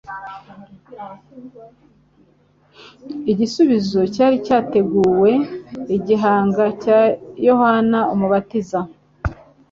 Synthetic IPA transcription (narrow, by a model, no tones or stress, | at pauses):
iɟisuβizo̞caːɾicaːte̞ɡuːwe̞iɟiɦaːŋɡacajo̞hanaomuβatiza